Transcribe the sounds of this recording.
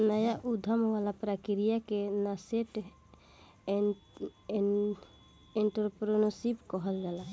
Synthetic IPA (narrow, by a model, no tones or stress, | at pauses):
nəjaʔud̪ʱamʋalapɾakiɾijakenaseʈ | eɳʈəɾpɾonosibkɔɦəlɡɛla